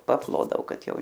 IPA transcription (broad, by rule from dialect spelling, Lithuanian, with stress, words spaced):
pɐˈplˠoːdɐʋoː ˈkɐt ˈjɛʊ